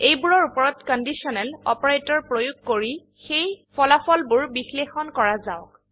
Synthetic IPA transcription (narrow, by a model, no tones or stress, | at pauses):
ejbuɹɔɹupɔɹɔtkɔndisɔnɛlɔ̰pɔɹajtɔɹpɹojuɡ̚koɹi | xejpɔlafʰɔlbuɹbixlexɔnkɔɹazaʊk